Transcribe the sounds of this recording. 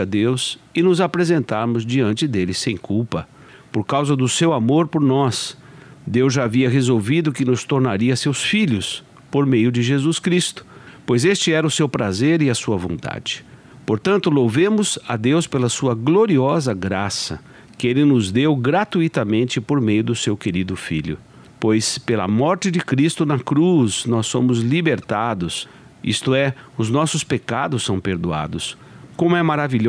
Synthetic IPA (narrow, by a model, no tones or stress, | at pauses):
ɐd̪ewsɪnʊzapɾezẽnt̪aɾmʊzd͡ʒiɐ̃nt͡ʃɪd̪elɪsẽj̃kuwpɐ | poɾkawzɐd̪ʊsewamoɾpoɾnɔsd̪ewzʒaːviɐɦezowvid̪ʊkɪnʊst̪oɾnaɾiɐsewsfiʎʊs | poɾmejʊd͡ʒɪʒezuskɾist̪ʊ̥ | pojzest͡ʃɪɛɾɐʊsewpɾazeɾɪɐsuɐvõ̰t̪a̰d͡ʒɪ̥ | poɾt̪ɐ̃nt̪ʊlowvẽmʊzɐd̪ewspelɐsuɐɡloɾiɔzɐɡɾasɐ̰ | kɪelɪnʊzd̪ewɡɾat̪uit̪ɐmẽnt͡ʃɪpoɾmejʊd̪ʊsewkeɾid̪ʊfḭʎʊ̰ | pojspelɐ̰mɔɾt͡ʃɪd͡ʒɪkɾist̪ʊnɐkɾuznɔsːõmʊzlibeɾt̪ad̪ʊs | ḭst̪ʊɛʊznɔsʊspekad̪ʊssɐ̃w̃peɾd̪ua̰d̪ʊs | kõmʊɛmaɾaviʎ